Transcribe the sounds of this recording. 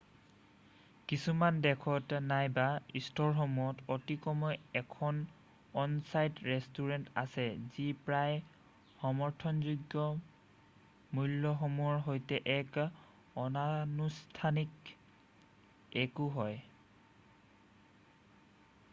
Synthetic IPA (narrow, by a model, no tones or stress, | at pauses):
kisumandɛkʰɔtnajbaistʰɔɹxɔmujɔtotikɔmɔjɛkʰɔn | ɔnsajtɹɛstuɹɛnta̰sɛzipɹaj | hɔmɔɹtʰɔnzuɡjɔ | mulːɔxɔmuɔɹɦojtɛʔɛk | ɔnanustʰanik | ɛkuɦɔj